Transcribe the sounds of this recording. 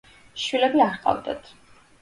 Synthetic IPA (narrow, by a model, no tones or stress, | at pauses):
ʃwilɛbiaɾqʼa̰vd̪a̰t̪ʰ